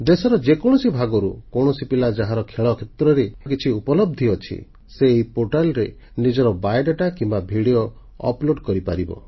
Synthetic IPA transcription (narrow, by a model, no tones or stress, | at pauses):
d̪esɔɾɔd͡ʒekɔɽ̃ɔsibʱaɡɔɾṵkɔɳ̃ɔsipilad͡ʒaɦaɾɔkʰeɭɔkʰet̪ɾɔɾek̬it͡ʃʰiupɔlɔb̚d̪ʱiɔt͡ʃʰḭ | seːipoɾʈalɔɾe | nid͡ʒɔɾɔbajɖaʈakimbabʱiɽio | ɔ̰ploɖkɔɾipa̰ɾibɔ̰